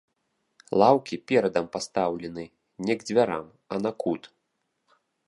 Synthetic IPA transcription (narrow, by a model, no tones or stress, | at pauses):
lˠawkʲipʲɛɾɐd̪ɐmpast̪awlʲɛnɨ | nʲɛɡd͡zʲvʲaɾa̰m | ɐnakut̪